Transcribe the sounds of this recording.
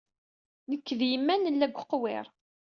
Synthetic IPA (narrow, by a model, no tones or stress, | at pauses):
nəkːðjəmːænəlːæɡʷəqwɪ̰ɾˤ